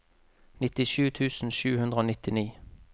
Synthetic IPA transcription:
nɪt̪ɪʃʉːt̪ʰʉːsn̩ʃʉːhʉnd̪ʁəoːnɪt̪ɪniː

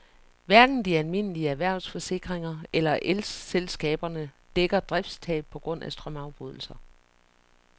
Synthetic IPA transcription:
ʋæɐɡ̥n̩d̥iælme̝n̰əliəæʋæɐ̰ʊsfɒ̽se̝ɡ̥ʁeŋɐelɐʔelsselsɡ̥ɛ̰ːb̥ɐnəd̥eɡ̥ɐd̥ʁafd̥st͡sʰɛ̰ːb̥̚pʰɒ̽ɡ̥ʁɔ̽n̰æsd̥ʁɶmɑ̈ʊb̥ʁuð̞̰ˠl̩sɐ

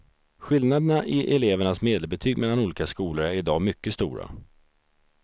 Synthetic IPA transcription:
ɧɪlnad̪ənaʔɪʔɛleːvəɳasmeːd̪əlbɛt̪ʰyːɡmɛlːanuːliːkaskuːləɾæɾɪd̪ɑːmʏkːəst̪ṵːɾa̰

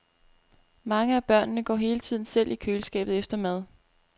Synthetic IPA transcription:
mɑ̈ŋəæb̥ɶɐ̰nnəɡ̥ɒ̰ːɦe̝ːlət͡sʰið̞̰ˠn̩sel̰ʔikʰøːləsɡ̥ɛ̰ːb̥ð̩ˠefd̥ɐmæð̞ˠ

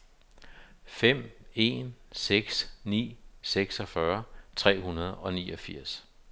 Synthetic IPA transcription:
fem̰e̝nseɡ̥snḭːseɡ̥sɒfɶɐt͡sʰʁɛ̰ːɦunɐð̞ˠɒ̽nḭːɒ̽fiɐ̰s

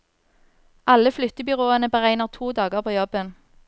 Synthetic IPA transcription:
ʔɑləflʏt̪əbʏʁoːənəbəʁæɪnəʁt̪ʰuːd̪ɑːɡəʁpʰoːjɔbən

